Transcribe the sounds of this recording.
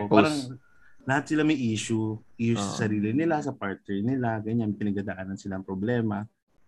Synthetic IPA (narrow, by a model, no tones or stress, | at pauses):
opaɾɐŋ | lɐhat̪̚sɪlamɐjʔiːʃʊʔɪjʊsɐsɐɾiːlɪnɪlasɐpaɹt̪̚nɛɹnɪlaɡɐɲanpɪnɐɡad̪aʔaːnɐnsɪlaʔɐŋpɾoblɛːmɐ